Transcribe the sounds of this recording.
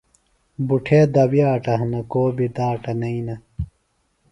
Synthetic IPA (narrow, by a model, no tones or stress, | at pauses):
buʈʰeːd̪ɐwijaːʈɐɦɐnɐkoːbid̪aːʈɐnɐinɐ